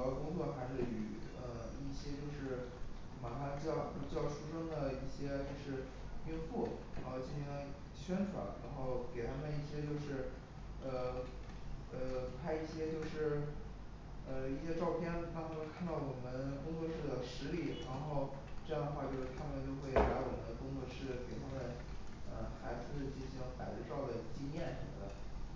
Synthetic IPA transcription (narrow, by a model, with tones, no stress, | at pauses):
kʊ˥ŋt̪t͡sʰɔ˥˩xa˧˥˩y̰˧˨˧ | ə˧i˥˩ɕjɛ˥t͡ɕjo˥˧ʊʂɻ̩˥˩ | ma˧˥nfa˧˥nt͡ɕjɑ˥˧ʊ˥˧˩t͡ɕjɑ˥˩ʊʂu˥ʂɤ˥ŋd̪ə˨i˥˩ɕjɛ˥t͡ɕo˥˧ʊʂɻ̩˥˧ | pi˥ŋfu˥˩ | a˧˥˧t͡ɕi˥˩nɕi˧˥ŋ˧ | ɕɥɛ˥nʈ͡ʂwa̰˨˧˥nɻa̰˧˥nxo˥˩ʊke˨˩ɪt̪ʰa˥mə˧ni˥˩ɕjɛ˥t͡ɕjo˥˧ʊʂɻ̩˥˩ | ə˧ | ə˧˩pʰa˥ɪi˥˩ɕjɛ˥t͡ɕjo˥˧ʊʂɻ̩˥˩ | ə˧i˥˩ɕjɛ˥ʈ͡ʂɑ˥˧ʊpʰjɛ˥˧nt̪ɑ˥kʰa˥˧nd̪ɑ˥˩ʊwɔ˨˩mə˦nkʊ˥ŋt͡sɔ˥˧ʂɻ̩˥˩d̪ə˩ʂɻ̩˧˥li˥˩ɻa˧˥nxo˥˧ʊ | ʈ͡ʂɤ˥˧jɑ˥˩ŋd̪ə˩xwa˥˧t͡ɕjo˥˧ʊʂɻ̩ʰ˥˩a˥mə˨˧nt͡ɕjo˥˧ʊxwe˥˩ɪpa˧˥wɔ˨˩mə˦nd̪ə˧kʊ˥ŋt͡sɔ˥˧ʂɻ̩˥˩ke˨˩ɪt̪ʰa˥mə˨˩n | ə̰˧xa˧˥ɪd͡z̩˥˧t͡ɕi˥˩nɕi˧˥ŋpa˨˩ɪt͡sə˥˧ʈ͡ʂɑ˥˩ʊd̪ə˩t͡ɕi˥njɛ˥˩nʂə˧˥˩d̪a̰˥˩ɪ